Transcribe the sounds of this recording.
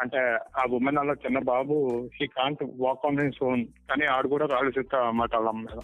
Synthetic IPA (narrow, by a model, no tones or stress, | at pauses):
ɐɳʈeaːbumenɐlːaːt͡ʃinːɐbaːbuʃiːkaːɳʈʋaːkɐːnensoːnkaːniaːɽukuːɽaːkaːɭusit̪ːɐmaːʈɐɭːaːmmɛːd̪ɐm